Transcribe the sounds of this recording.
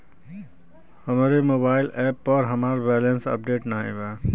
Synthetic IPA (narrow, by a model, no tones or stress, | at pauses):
həmɾemoːbaːɪlʔɛːpːəɾɦəmaːɾbɛːlənsə̰p̚ɖeːʈnaɦiba